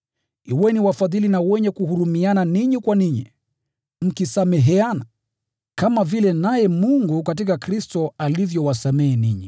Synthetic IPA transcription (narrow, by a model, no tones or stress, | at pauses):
iwɛniwafaðilinawɛɲɛkuhuɾumiananiɲikwaniɲḭ | m̩kisamɛɦɛana | kamavilɛnajɛmuŋɡukat̬ikakɾistɔalivjɔwasamɛːniɲḭ